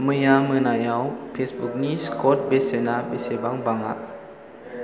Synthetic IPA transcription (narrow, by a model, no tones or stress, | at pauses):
mɯjaːmɯnajawpʰesbuk̚niːskot̪̚besenaːbesebaŋbaŋa̰ʔ